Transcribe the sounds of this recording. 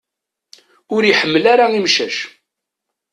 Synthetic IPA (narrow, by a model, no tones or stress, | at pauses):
ʊɾjiħəmːəlaɾaimʃæʃ